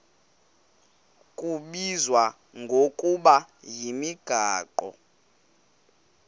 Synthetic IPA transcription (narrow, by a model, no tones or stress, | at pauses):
kʼuɓizwa | ŋɡʱokʼuɓajimiɡ̥ʱaːǃɔ̰